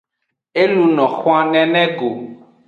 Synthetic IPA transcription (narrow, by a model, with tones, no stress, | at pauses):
e˦lũ˨nɔ̃˨xõ˦ã˦nɛ̃˨nɛ̃˦ɡo˨